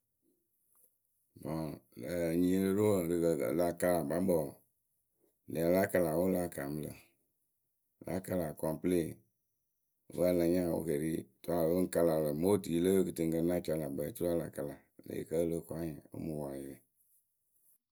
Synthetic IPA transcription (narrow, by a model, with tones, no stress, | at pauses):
bɔ̃˨ | ɲĩː˨˦lə˦ɾo˦˨dɨ˨la˨ka˧la˨bã˨˦bɔ˨ | le˨a˨la˦ka˧la˨wo˦la˦˨kaː˨mɨ̃˦lə̰˨ | la̰˨˦ka˧la˨kwã˨pə˦le˦˨˦ | wa˦˨lã˨˦ɲã˦˨wo̰˧˦ke˨ɾi˦tu˨˦a˨˦o˦ŋ̩˦ka˧la˨lə˨mo˦tiː˨˦lə˦kɨ˨tɨ̃˨ŋɡə˧˦nã˦t͡ʃa˧la˨bə˨tu˦ɾa˦˨la˨ka˨la˨ | lḛ˨kə˦lə˦˨kʷa˦ɲã˨o̰˦mũ˨wa˨li˨le˨